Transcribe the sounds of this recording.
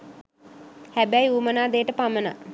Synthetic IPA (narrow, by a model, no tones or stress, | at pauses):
hæbɛjuːmənaːd̪eːʈəpaməna̰